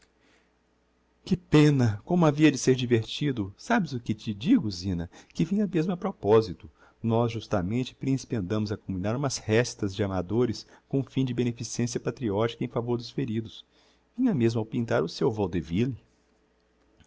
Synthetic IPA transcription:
kɪpẽnɐkõmʊaviɐd͡ʒɪseɾd͡ʒiveɾt͡ʃid̪ʊsabɪzʊkɪt͡ʃɪd͡ʒiɡʊzĩnɐkɪvĩɲɐmezmʊɐpɾɔpɔzit̪ʊ | nɔzʒust̪amẽnt͡ʃɪ̥pɾĩsi̥pɐ̃nd̪ɐ̃mʊzɐkõmĩnaɾũmɐshɛst̪ɐzd͡ʒɪamad̪oɾɪskõfĩd͡ʒɪbenefisiẽsijɐpat̪ɾiɔt͡ʃi̥kɐẽfavoɾd̪ʊsfeɾid̪ʊs | vĩɲɐmezmʊawpĩnt̪aɾʊsewvɔwd̪evili

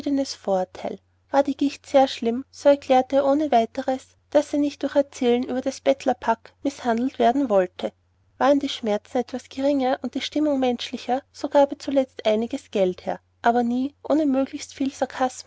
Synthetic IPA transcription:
dənəsfoːɐtʰaɪl | v̥aːɐdiːɡ̥ɪçtseːɐʃlɪmz̥oːɛɐkʰl̥ɛːɐteːɐʔoːnəvaɪtəʁəs | d̥asiːnɪçt̚d̥ʊɐxɛɐt͡sɛːlənʔyːbɐd̥asb̥ɛtʰlɐpʰakmɪshandl̩tv̥eːɐdn̩vɔltʰə | vaːʁəndiːʃmɛɐt͡sn̩ɛtv̥asɡ̥eʁɪŋɐʔʊnt̚d̥iːʃtɪmʊŋmɛnʃlɪçɐz̥oɡ̥aːbət͡sulɛt͡stʔaɪnɪɡəsɡ̥ɛlthɛːɐ | ʔaːbɐniːʔoːnəmøːɡlɪçstfiːlsaɐkʰasm

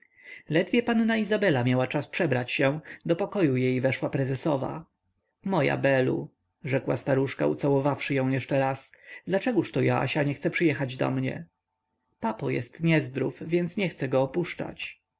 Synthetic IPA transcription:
lɛd̪vʲjɛpanːaizabɛlamjawat͡ʂaspʂɛbɾat͡ɕɕɛ̃d̪ɔpɔkɔjujɛjvɛʂwapɾɛzɛsɔva̰ | mɔja̰bɛlṵ | ʐɛkwast̪aɾuʂka̰ṵt̪sawɔvafʂɘjɔ̃w̃jɛʂt͡ʂɛɾasd̪lat͡ʂɛɡuʂt̪ɔja̰a̰ɕaɲɛxt̪ɛpʂɨjɛxad͡ʑd̪ɔ̰mɲɛ̰ | papɔjɛ̰st̪ɲɛzd̪ɾufvʲjɛnt̪sɲɛxt̪sɛɡɔːpuʂt͡ʂa̰t͡ɕ

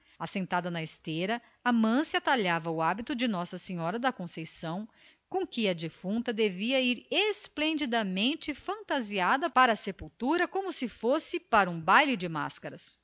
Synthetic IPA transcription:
asẽnt̪ad̪ɐnɐest̪eɾɐː | mɐ̃sɪat̪aʎavɐʊabit̪ʊd͡ʒɪnɔsɐsẽɲɔɾɐd̪ɐkõsejsɐ̃w̃ | kõkɪɐd͡ʒifũnt̪ɐd̪eviɐiɾesplẽnd͡ʒid̪ɐmẽnt͡ʃɪfɐ̃nt̪aziad̪ɐpaɾɐːsepuwt̪uɾɐkõmʊsɪfosɪpaɾɐũbajlɪd͡ʒɪma̰skɐɾɐs

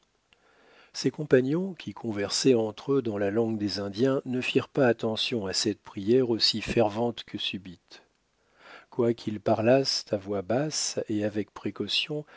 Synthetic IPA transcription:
sɛkɔ̃paɲjɔ̃kʲʰikʰɔ̃vɛʁsɛɑ̃t̪χød̪ɑ̃lalɑ̃ɡd̪ezɛ̃d̪jɛ̃nəfiʁpaːt̪ɑ̃sjɔ̃asɛt̪pχijɛʁosifɛʁvɑ̃t̪kʰəsybit̪ | kwakʰilpaʁlast̪avwabaseavɛkpχekɔsjɔ̃

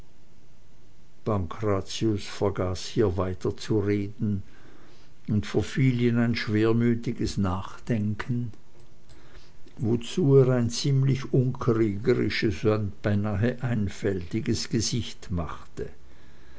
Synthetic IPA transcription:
b̥aŋkʰʁat͡sjʊsfɛɐɡaːshiːɐvaɪtɐt͡suʁeːdn̩ | ʊntfoɐfiːlənaɪnʃv̥eːɐmyːtɪɡəsnaːχd̥ɛŋkʰən̩ | vot͡suːeːʁaɪnt͡siːmlɪçʊnkʁiːɡəʁɪ̰ʃəsanb̥aɪnaːɦəʔaɪnfɛltɪɡəsɡ̥əzɪçtmaχtə

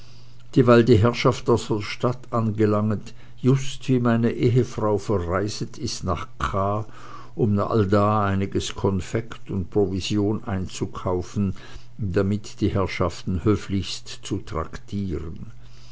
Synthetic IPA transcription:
d̥iːvaɪldiːɦɛɐʃaftaʊsəʃtatʔanɡəlaŋət | jʊstv̥iːmaɪnəʔeːɦəfʁ̥aʊfɛɐʁaɪzətʰɪstna̰ːχkʰaː | ʔʊmnaχa̰ldaːaɪnɪɡəskʰɔnfɛktʊntpʁ̥ovizjoːnʔa̰ɪnt͡sukʰaʊfn̩ | damɪtd̥iːhɛɐʃaftn̩høːflɪçstt͡sutʁ̥a̰ktʰiːʁən

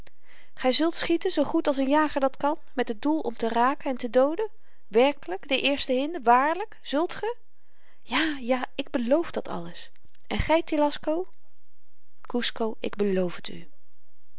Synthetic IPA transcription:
χɛjzɵlˠtsχitənzowχutɑlˠsənjaːχəɹdɑtkɑnmɛtɦəd̚dulˠʔɔ̰mtəraːkənɛntədowdə | ʋɛɹkələkdəʔɪːɹstəɦɪndəʋaːɹləkz̥ɵlˠtχə | jaːjaːɪɡ̚bəlowfdɑtʰɑ̰ləs | ʔɛnχɛjtelɑskow | kuskowʔɪ̰ɡ̚bəlowfəty̰

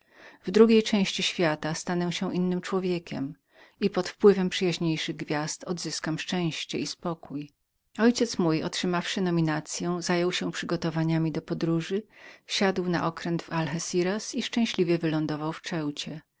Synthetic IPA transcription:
vd̪ɾuɡʲejt͡ʂɛ̃w̃ɕt͡ɕiɕfʲjat̪ast̪anɔwɕɛʔinːɘmt͡ʂwɔvʲjekʲɛ̰m | ipɔt̪fpwɘvɛmpʂɘjaʑɲejʂɘɣɡvʲjast̪ɔd̪zɘskamʂt͡ʂɛ̃w̃ɕt͡ɕɛ̰ispɔkuj | ɔjt͡ɕɛt̪smujɔ̰tʂɘmafʂɘnɔmʲinat̪sʲjɔ̃w̃zajɔwɕɛpʂɘɡɔt̪ɔvaɲamʲid̪ɔpɔd̪ɾuʐɘfɕad̪wna̰ʔɔkɾɛnd̪valxɛsʲiɾasiʂt͡ʂɛ̃w̃ɕlʲivʲjɛvɘlɔnd̪ɔvawft͡ʂɛwt͡ɕɛ

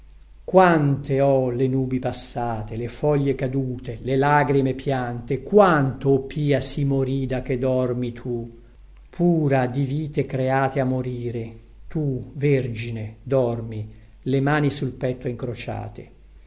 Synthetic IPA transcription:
kwant̪eɔlenuːbipasːaːt̪elefɔʎːekad̪uːt̪elelaɡɾimepʰjant̪ekwant̪oːpːiːasimoɾiːd̪ak̟ːed̪ɔrmit̪ʰu | pʰuːɾad̪iviːt̪ekɾeaːt̪eamːoɾiːɾe | t̪uverd͡ʒined̪ɔrmi | lemaːnisulpɛt̪ːoiŋkɾot͡ʃa̰ːt̪e

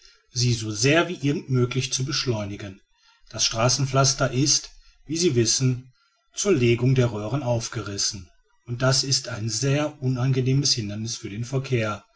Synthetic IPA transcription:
ziːzoːzeːɐviːʔɪɐɡŋ̩tmøːklɪçt͡subəʃlɔʏnɪɡən | d̥asʃtʁ̥aːsn̩flastɐʔɪst | viːziːvɪsn̩ | t͡suːɐleːɡʊŋdeːɐʁøːʁənaʊfɡ̥əʁɪsn̩ | ʊnt̚d̥asɪstaɪnzeːɐʔʊnanɡəneːməshɪndɐnɪsfyːɐdeːnfɛɐkʰeːɐ

